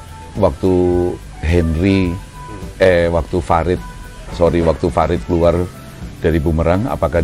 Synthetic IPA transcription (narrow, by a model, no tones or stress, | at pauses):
wak̚t̪u | ɦɛnri | ɛwak̚t̪ufaɾɪt̪̚ | soɾiwak̚t̪ufaɾɪt̪̚kəluar | d̥aɾibuməɾaŋa̰pakah